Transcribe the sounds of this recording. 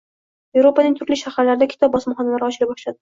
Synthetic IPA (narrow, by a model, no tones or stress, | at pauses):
je̞vɾopanɪŋt̪ʰʊɾlɪʃaχaɾlaɾɪd̪akʲʰɪ̥t̪ʰɒb̚bɒsmχɒnalaɾɪɒt͡ʃɪɾabɒʃlad̪ɪ